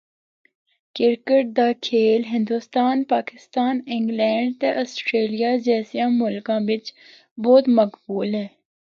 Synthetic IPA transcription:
kɪɾkəʈ̚d̪aːkʰeːlɦɪ̃nd̪uːst̪aːnpaːkɪst̪aːnɪ̃ŋɡlɛ̃ːɳɖ̚t̪eʔɔsʈɾeːlijad͡ʒɛːsijãmʊlkãːʋɪt͡ʃ | bɔːt̪məkbuːlɦɛː

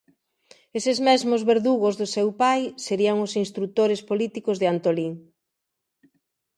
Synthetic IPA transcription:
esezmɛzmozβeɾðuɣozðʊsewpajseɾiaŋʊsinst̪ɾut̪oɾɪspolit̪ikozðɪant̪oliŋ

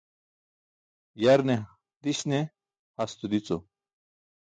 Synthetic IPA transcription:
jɐɾne | d̪iɕne | hɐst̪ud̪it͡so

